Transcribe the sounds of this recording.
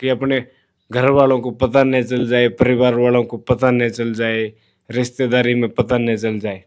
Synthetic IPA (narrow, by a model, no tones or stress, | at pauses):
kiəpne | ɡʱəɾʋaːlõkopət̪anɛt͡ʃəld͡ʒaːepəɾɪʋaːɾʋaːlõkopət̪anɛ̃t͡ʃəld͡ʒaːe | ɾɪst̪ed̪aːɾimẽpət̪anɛt͡ʃəld͡ʒaːe